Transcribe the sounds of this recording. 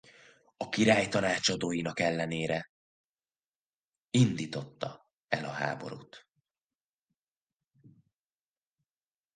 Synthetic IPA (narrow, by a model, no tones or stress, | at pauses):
ɒkiɾaːjt̪ɒnaːt͡ʃɒd̪oːjinɒkɛlːɛneːɾɛ | ind̪iːt̪o̞t̪ːɒ | ɛlɒɦa̰ːbo̞̰ɾṵːt̪